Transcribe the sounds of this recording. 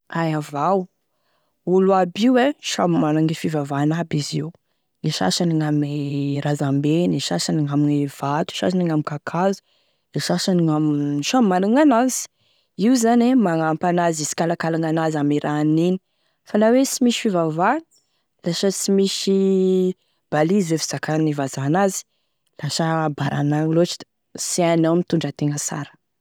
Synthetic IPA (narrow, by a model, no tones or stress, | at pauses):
ajavaw | uluabiweʃamimanaŋifivavanabiziw | ŋiʃa̰ʃaniŋamiɾazambeniʃaʃaniŋaminev̥at̪i̥ʃa̰ʃaniŋamikakʰazu̥ | leʃaʃaniŋamʃammanaŋanaz̥i̥ | iuzanemaŋampanazisi̥kalakalaŋanazamiɾʔanini̥ | falawesimiʃfivava | lasət͡simiʃi | b̥alizefi̥z̥akanivazanazi̥ | lasəbaɾʔa̰naŋlot͡ʃi̥ | sianawmit̪uɳɖ͡ʐət̪eŋəsa̰ɾə̥